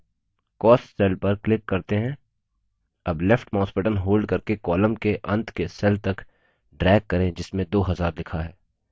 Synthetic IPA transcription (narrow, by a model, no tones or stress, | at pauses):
kɔːsʈsɛːlpɐɾklɪkːɐɾt̪eɦɛ̃ː | ɐblɛfʈmãːspɪʈənɦoːlɖkɐɾkekɔːlə̃mkeʔɐ̃nt̪ʰkesɛlt̪ɐk | ɖɾɛːkːɐɾẽd͡ʒɪsmẽd̪oːɦɐzaːɾd̪lɪkʰaɦɛː